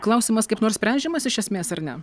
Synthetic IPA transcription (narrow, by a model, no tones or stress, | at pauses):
klˠɐʊsʲiːmɐskɐɪpnoːɾsʲpʲɛˑnʲd͡ʒʲɛmɐsɪʃʲɛsʲmʲeːsɐɾnʲɛ